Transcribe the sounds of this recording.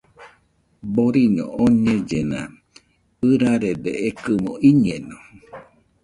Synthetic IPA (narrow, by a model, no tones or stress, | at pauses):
boɾiɲõ̰oɲẽd͡ʒenã̰ | ɨɾaɾed̪ḛekɨmõʔiɲẽno